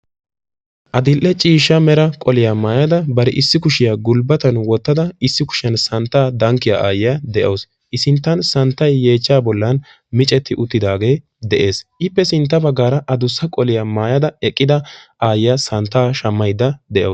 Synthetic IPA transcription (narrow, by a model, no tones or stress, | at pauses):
ʔɐd̪ɪlʔːɛt͡ʃʼiːʃːɐmɛɾɐkʼɔlɪjamaːjɐd̪ɐbɐɾɪʔɪsːɪkʊʃɪjaːɡʊlbɐt̪ɐnwɔt̪ːɐd̪ɐɪsːɪkʊ̥ʃɪjɐnsɐnt̪ːaːd̪ɐŋkːɪjaʔaːjɪjaːd̪ɛʔoːs | ʔɪsɪnt̪ːɐnsɐnt̪ːɐjːe̞ːt͡ʃːaːbɔlːɐn | mɪt͡ʃʼɛt̪ːɪʔʊt̪ːɪd̪aːɡe̞ː | d̪ɛʔe̞ːsʔɪpːɛsɪnt̪̬ːɐbɐɡːaːɾɐʔɐd̪ʊsːɐkʼɔlɪjamaːjɐd̪ɐɛkʼːɪd̪ɐʔaːjɪjasɐnt̪ːaːʃɐmːɐjd̪ːɐd̪ɛʔo